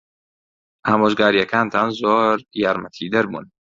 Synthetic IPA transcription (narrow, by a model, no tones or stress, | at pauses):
aːmoːʒɡaːɾijɐkʰaːnt̪ʰaːnzoːɾjaːɾmɐt̪ʰiːd̪ɐɾbṵːn